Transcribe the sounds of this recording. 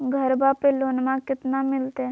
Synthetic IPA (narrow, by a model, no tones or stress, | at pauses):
ɡʱəɾbaːpeloːnmãkɪt̪namɪlt̪e